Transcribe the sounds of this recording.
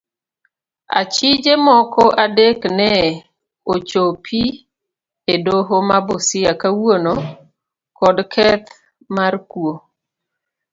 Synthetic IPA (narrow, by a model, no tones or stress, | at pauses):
a̰t͡ʃid͡ʒemɔkɔʔadeknɛ | ot͡ʃopʰi | edoɦomabosɪakawono | kɔdkʰɛt̪ | markwo